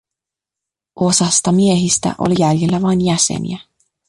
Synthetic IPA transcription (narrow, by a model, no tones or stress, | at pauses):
ʔo̞sɑst̪ɑmie̞ɦist̪æ̰ʔo̞̰lijæljelːæʋɑjnjæsḛnḭæ